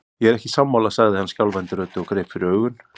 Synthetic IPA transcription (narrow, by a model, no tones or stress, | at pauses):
jɛɛɾɛhcɪsamːawlasaɣðɪhanːscawlvɛnt̪ɪɾœːt̪ɪɔɣkɾeːjpfɪɾɪɾœːɥɣʏn